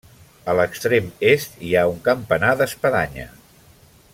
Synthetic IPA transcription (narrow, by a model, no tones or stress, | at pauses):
ələkst̪ɾemest̪iauŋkəmpənaðəspəðaɲə̰